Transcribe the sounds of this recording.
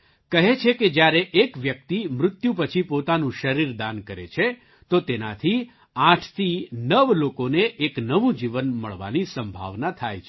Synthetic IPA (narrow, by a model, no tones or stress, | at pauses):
kəɦet͡ʃʰeked͡ʒjaɾeʔekʋjək̚t̪imɾʊt̪jũpət͡ʃʰipot̪anũʃəɾiɾd̪ankəɾḛt͡ʃʰe | t̪ot̪ena̰t̪ʰi | ãʈʰt̪ʰinəʋlokoneʔeknəʋũd͡ʒiʋənmə̰ɭʋa̰nisəmbʱa̰ʋnat̪ʰajt͡ʃʰe